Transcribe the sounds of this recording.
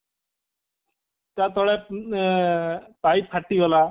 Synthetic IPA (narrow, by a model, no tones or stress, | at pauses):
tat̪ɔɭɛ | paj̚pʰaʈːiɡɔla